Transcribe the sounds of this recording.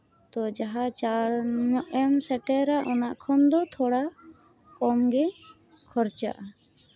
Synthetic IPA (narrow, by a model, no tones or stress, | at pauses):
t̪ɔd͡ʒaɦat͡ʃaɾnɔʔɛmsɛʈɛɾaʔɔnaʔkʰɔnd̪ɔt̪ʰɔɽa | kɔmɡɛ | kʰɔɾt͡ʃa̰ʔ